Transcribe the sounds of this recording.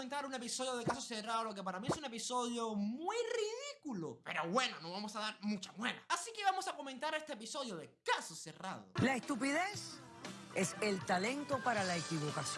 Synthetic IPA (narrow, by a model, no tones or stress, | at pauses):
ent̪aɾune̞p̬iso̞ðjoð̞ekasoseraðolok̬ep̬aɾamiesune̞piso̞ðjomwujriðikulope̞ɾo̞βwe̞nonoβamosaðaɾmũt͡ʃamwela̰asikeβamo̞sako̞mẽnt̪aɾest̪eepiso̞ðjoðe̞kasose̞ra̰ðo̰laest̪upiðes | eselt̪alẽ̞nt̪o̞paɾalaekiβokas